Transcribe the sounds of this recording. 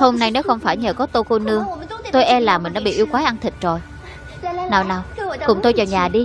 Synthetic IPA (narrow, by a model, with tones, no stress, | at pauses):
ho˧mna˧jne˨˦wxə˧wŋ͡mfaː˧˩jɲəː˨˩kɔ˨˦t̪o˧ko˧nɨ˧əŋt̪o˧jʔɛ˧laː˨˩mï˨˩ŋ̟ɗa̰˧˦ɓḭ˧˨ʔi˧wkwaː˨˦jʔa˧nt̪ʰï˨˩k̟̚zo˨˩j | naː˨˩wnaː˨˩wkʊ˨˩ŋ͡mt̪o˧jt͡ɕɔː˨˩wɲaː˨˩ɗi˧